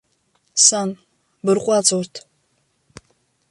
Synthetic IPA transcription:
san | bɨrqʷʼɑt͡sʼortʰ

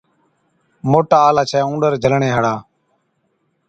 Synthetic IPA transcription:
moːʈaːlaːt͡ʃʰɛːũːɖəɾd͡ʒʱəlɳeːɦəɽaː

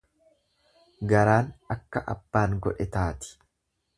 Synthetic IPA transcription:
ɡɐɾaːnɐkːɐʔɐ̰b̥ːaːŋɡɔᶑɛt̪aːt̪ɪ̥

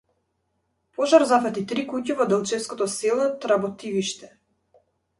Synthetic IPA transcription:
pɔʒaɾzafat̪it̪ɾikucavɔd̪ɛlˠt͡ʃɛfskɔt̪ɔsɛlˠɔt̪ɾabɔt̪iviʃt̪ɛ

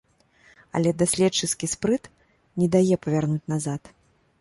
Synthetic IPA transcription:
ɐ̰lʲɛd̪asʲlʲɛt͡ʂːɨskʲispɾɨt̪ | nʲɛd̪ajɛpɐvʲarnut͡sʲnazat̪

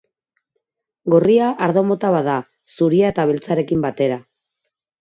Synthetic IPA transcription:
ɡo̞riaʔaɾðo̞mo̞t̪aβaða | suɾiaet̪aβe̞lt͡saɾe̞kimbat̪e̞ɾa

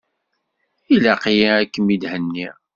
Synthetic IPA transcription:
ilaqjiækːəmid̪hənːi

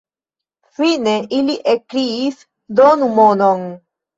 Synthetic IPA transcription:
fineʔiliʔekɾiːs | d̪onumonon

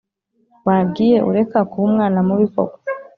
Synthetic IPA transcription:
waːɡiːje̞ʔṵɾe̞kakuumŋaːnamuβiko̰ɡo̥

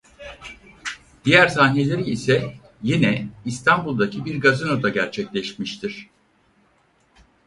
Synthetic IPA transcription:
d̪̥ijæɾsaːnelʲeɾiisɛ | jinɛist̪ʰanbulˠd̪acʰibiɾɡazɯnod̪aɟæɾt͡ʃʰɛclʲɛʃmiʃt̪ʰiɾ̝̥

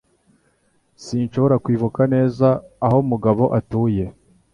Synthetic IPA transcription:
siːnʃoβo̞ɾakwiːvukane̞ːzaːho̞muɡaβo̞ʔatuːje̞

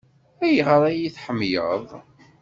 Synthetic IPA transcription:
æjʁəɾˤæjiθħəmːjə̰ðˤ

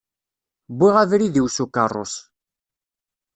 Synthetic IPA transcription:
bwiʁavɾiðiwsukaro̰s

